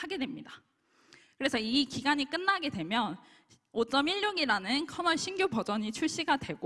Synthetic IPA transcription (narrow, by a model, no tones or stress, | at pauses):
aɡe̞dwe̞mɲida | kɯɾe̞sʰʌikiɡaɲik͈ɯnːaɡe̞dwe̞mjʌn | ot͡ɕ͈ʌmiʎːoɡiɾanɯnkʰʌnʌɭɕʰinɡjopʌd͡ʑʌɲit͡ɕʰuɭɕ͈iɡadwe̞ɡo